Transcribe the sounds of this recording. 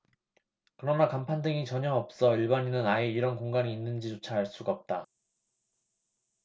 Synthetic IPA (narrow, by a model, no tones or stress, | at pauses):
kɯɾʌnakampʰandɯŋit͡ɕʌɲʌŋʌp̚s͈ʌiɭbaɲinɯnaeiɾʌnkoŋɡaŋiːnːɯnd͡ʑit͡ɕot͡ɕʰaɦaɭs͈uɡap̚t͈a